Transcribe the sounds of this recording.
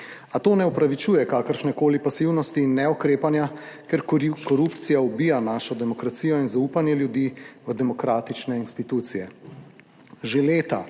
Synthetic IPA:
at̪oːnɛɔpɾaʋit͡ʃuːjɛkaːkəɾʃnɛkoːlipasiwnɔst̪iːnːɛɔkɾeːpanjakɛɾkɔɾupt̪sijaɔbiːjanaːʃɔd̪ɛmɔkɾat̪siːjɔinzauːpanjɛljud̪iːʋəd̪ɛmɔkɾaːt̪it͡ʃnɛinst̪it̪uːt̪sijɛ | ʒeleːt̪a

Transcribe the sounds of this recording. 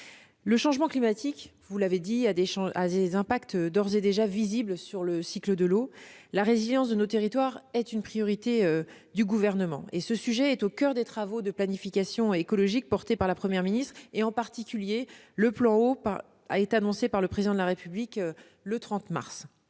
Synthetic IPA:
ləʃɑ̃ʒmɑ̃klimat̪ʰik | vulaved̪iad̪eʃɑ̃ad̪ezɛ̃pakt̪d̪ɔʁzed̪eʒaviziblsyʁləsikləd̪əlolaʁeziljɑ̃s̬d̪ənot̪eʁit̪waʁɛt̪ynpχijɔʁit̪eø | d̪yɡuvɛʁnəmɑ̰̃ʔesəsyʒɛːt̪okʲœʁd̪et̪χavod̪əplanifikʲasjɔ̃ekɔlɔʒik̚pɔʁt̪epaʁlapχəmjɛʁminist̪χeɑ̃paʁt̪ikʲylje | ləplɑ̃opa̰ | a̰et̪eanɔ̃sepaʁləpχezid̪ɑ̃d̪laʁepyblik | lət̪χɑ̃t̪ma̰ʁs

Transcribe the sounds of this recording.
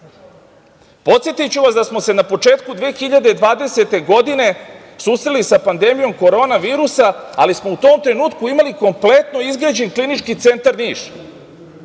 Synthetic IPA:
po̞t̪sjet̪ajut͡ɕuʋasd̪asmo̞se̞napo̞t͡ʂe̞ːt̪kud̪ʋeːxiʎad̪ed̪ʋaːd̪e̞se̞t̪e̞ɡo̞d̪ine̞ | susɾelisapand̪e̞mijo̞mko̞ɾo̞ːnaʋiːɾusaa̰lismo̞ut̪o̞ːmt̪ɾe̞nuːt̪kuimaliko̞mple̞t̪no̞izɡed͡ʑenklinit͡ʃkit̪se̞nt̪aɾniːʃ

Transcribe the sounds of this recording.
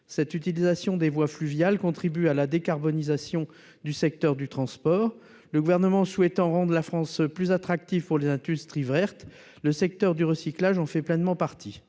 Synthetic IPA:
sɛt̪yt̪ilizasjɔ̃d̪evwaflyvjalkɔ̃t̪χibyalad̪ekaʁbɔnizasjɔ̃ | d̪ysɛk̚t̪œʁd̪yt̪χɑ̃spɔːʁ | ləɡuvɛʁnəmɑ̃swɛt̪ɑ̃ʁɑ̃d̪ʁlafχɑ̃splyzat̪χak̚t̪ivpuʁlezɛ̃d̪yst̪χivʁɛʁt̪ | ləsɛk̚t̪œʁd̪yʁəsiklaʒɑ̃fɛplɛnmɑ̃paʁt̪ʰi

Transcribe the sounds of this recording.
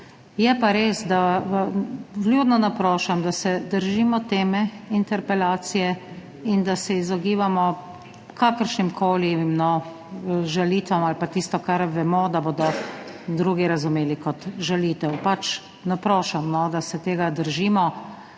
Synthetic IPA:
jɛpaɾeːsd̪a | vljuːd̪nɔnapɾoːʃamd̪asɛd̪əɾʒiːmɔt̪eːmɛint̪ɛɾpɛlaːt̪sijɛ | ind̪asɛizɔɡiːʋamɔ | kʰakəɾʃnimkʰoːlinɔ | ʒaliːt̪ʋɔmalpat̪ist̪ɔkaɾʋɛmɔd̪aboːd̪ɔ | d̪ɾuːɡiɾazʊmeːlikɔt̪ʒaliːt̪ɛwpat͡ʃ | napɾoːʃamnɔd̪asɛt̪eːɡad̪əɾʒiːmɔ

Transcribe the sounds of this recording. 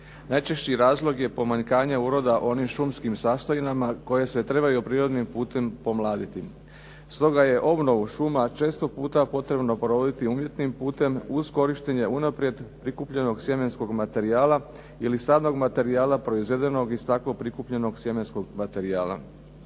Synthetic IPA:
najt͡ʃeʃt͡ɕiɾaːzlˠo̞ɡje̞po̞maɲkaːɲeuːɾo̞d̪aʔo̞nimʃumskimsaːst̪ojinamako̞je̞se̞t̪ɾe̞βajupɾiːɾo̞d̪nimpuːt̪e̞mpo̞mlˠaːd̪it̪i | st̪o̞ɡaje̞ʔo̞bno̞ʋuʃumat͡ʃe̞ːst̪o̞puːt̪apo̞t̪ɾe̞bno̞pɾoʋod̪it̪iumje̞t̪nimpuːt̪e̞muz̥ko̞ɾiʃt̪eɲe̞unapɾje̞d̪pɾikupʎe̞no̞ɡsjeme̞nsko̞ɡmat̪e̞ɾiaːla | ilisaːd̪no̞ɡmat̪e̞ɾiaːlapɾo̞izʋe̞d̪e̞no̞ɡist̪aklo̞pɾikupʎe̞no̞ɡsjeme̞nsko̞ɡmat̪e̞ɾiaːlˠa̰

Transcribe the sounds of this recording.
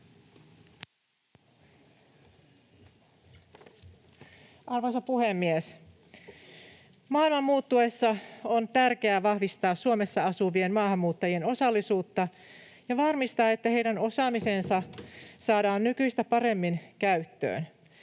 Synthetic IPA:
ʔɑrʋosɑpuhemːies | mɑːilmɑmːuːt̪ːuesːɑont̪ærkeæːʋɑhʋist̪ɑːssuome̞sːɑɑsuʋie̞nmɑːhɑmːuːt̪ːɑjieno̞sɑlːisuːt̪ːɑ | jɑʋɑrmist̪ɑːe̞t̪ːæhe̞jdæno̞sɑːmise̞nsɑsɑːdɑːnnykyjst̪æpɑre̞mːinkæyt̪ːø̰ːn

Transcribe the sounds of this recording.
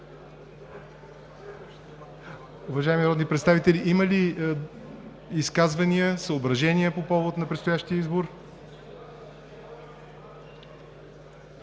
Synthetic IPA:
ʊvɐʒaɛmiɾɔd̪nipɾɛt̪st̪avit̪ɛliʔiməli | iskazvɐniəsəobɾɐʒɛniəpopɔvot̪nɐpɾɛt̪st̪ojaʃt̪iəizboɾ

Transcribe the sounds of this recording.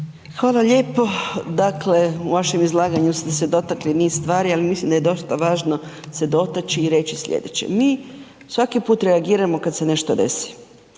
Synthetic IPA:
xʋaːlˠaʎe̞ːpo̞d̪akle̞uʋaʃemizlˠaːɡaɲust̪esed̪o̞t̪akliniːsst̪ʋaːɾialimislimd̪aje̞d̪o̞st̪aʋaːʒno̞ | se̞d̪o̞t̪at͡ʃiːɾe̞t͡ɕisʎʲḛd̪ḛt͡ɕḛmiː | sʋakipuːt̪ɾeaɡiːɾamo̞kad̪sene̞ʃt̪od̪e̞̰si̥

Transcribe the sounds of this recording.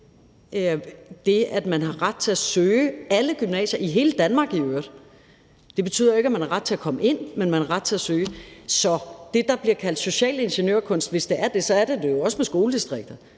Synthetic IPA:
d̥e̝æd̥mænɦɑ̈ʁɑd̥̚t͡sʰe̝æsøːæləɡ̥ymnɛ̰ːɕɐʔiɦe̝ːləd̥ænmɑ̈ːɡ̥iøːɐdˠ | d̥e̝b̥e̝t͡sʰy̰ð̰ˠjoeɡ̥æmænhɑ̈ʁɑ̈d̥̚t͡sʰe̝ækʰɒ̽məʔe̝n̰menmænhɑ̈ʁɑ̈d̥̚t͡sʰe̝æsøːɪsɒ̽d̥e̝d̥ɑ̈b̥liɐkʰæl̰d̥so̝ɕɛ̰ːle̝nɕenjø̰ɐkʰɔ̽n̰sd̥ʋe̝sd̥e̝ʔæɐd̥e̝sɒ̽æɐd̥e̝d̥e̝jo̝ɒ̽səmesɡ̥o̝ːləd̥isd̥ʁeɡ̥̚d̥ɐ

